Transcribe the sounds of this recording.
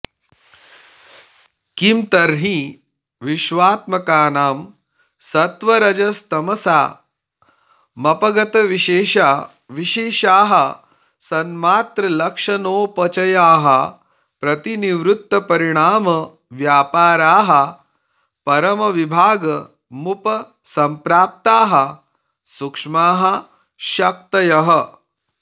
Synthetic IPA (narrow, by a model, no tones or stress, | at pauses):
kimt̪ɐɾɦi | ʋiʃʋaːt̪mɐkaːnaːm | sɐt̪ʋɐɾɐd͡ʒɐst̪ɐmɐsaː | mɐpɐɡɐt̪ɐʋiʃeːʃa | ʋiʃeːʃaːɦɐ | sɐnmaːt̪ɾɐlɐkʂɐnoːpɐt͡ʃɐjaːɦɐ̰ | pɾɐt̪iniʋɾut̪ːɐpɐɾiɽ̃aːmɐ | ʋjaːpaːɾaːɦɐ | pɐɾɐmɐʋibʱaːɡɐ | mupɐ | sɐmpɾaːp̚t̪aːɦɐ | sukʂmaːɦɐ | ʃɐk̚t̪ɐjɐɦɐ